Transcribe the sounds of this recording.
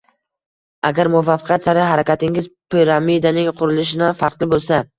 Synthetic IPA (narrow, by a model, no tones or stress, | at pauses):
aɡʲaɾmʊvafɪ̥qʰjat̪saɾɪɦaɾakʲat̪ɪŋɪzpʰiɾamid̪anɪŋqʰʊɾɪlɪʃ̬ɪnafɑɾt̪lɪbolˠsa